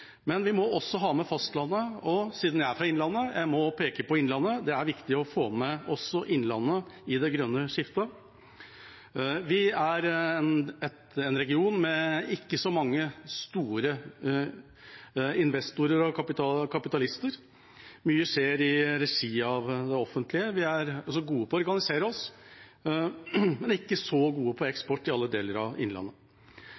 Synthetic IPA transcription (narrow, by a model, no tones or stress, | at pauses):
mɛnʋɪmɔɔsːɔɦɑːmɛfɑst̪lɑnːəɔsiːd̪n̩jæɪæɾfɾɑɪnlɑnːəjʔæ̰ɪmɔpʰeːkəpɔɪnlɑnːəd̪ɛæɾʋɪkt̪ɪɔfoːmɛɔsːɔʔɪnːlɑ̰nːəɪd̪ɛɡɾœnːəʂɪft̪ə | ʋɪæɾnɛt̪ | ɛnɾɛɡɪuːnmɛɪkːəsɔmɑŋːəst̪uːɾə | ɪnʋɛst̪ʊɾəɾɔkʰɑpɪt̪ɑkʰɑpɪt̪ɑlɪst̪əɾ | myːəʂeːɾɪɾɛʂiːɑʋd̪ɛɔfənt̪ʰlɪəʋɪæɾɔsɔɡuːəpɔɔɾɡɑnɪseːɾəɔs | mɛnɪkːəsɔɡuːəpʰɔɛkspɔʈːɪɑlːəd̪eːləɾɑ̰ʋɪ̰nlɑ̰nːə